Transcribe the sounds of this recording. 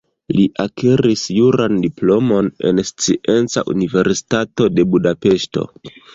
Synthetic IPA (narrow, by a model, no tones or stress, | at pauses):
liʔakʰeɾisjuɾandiplo̞mo̞ne̞̰nst͡siʔe̞nt͡sa̰ʔṵnive̞ɾsi̥tato̞de̞budape̞ʃto̞̰